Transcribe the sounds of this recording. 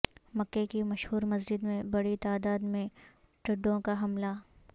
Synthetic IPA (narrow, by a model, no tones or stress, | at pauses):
mɐkːekimɐʃhuːɾmɐzd͡ʒɪd̪mẽbɐɽit̪aːd̪aːd̪mẽ | ʈɐɖːõkaɦɐmla